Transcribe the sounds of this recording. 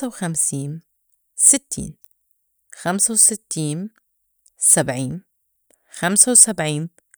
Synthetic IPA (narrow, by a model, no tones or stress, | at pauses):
awxamsiːn | sɪt̪ʰːḭːn | xamsawsɪt̪ːiːn | sabʕiːn | xamsawsabʕiːn